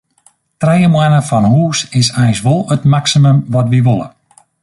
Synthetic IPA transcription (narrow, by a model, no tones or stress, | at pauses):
trɛjəmwɛnəfɔnhuːsɪsɛjsʋolˠətmaksiməmʋɔtʋiʋolˠə̰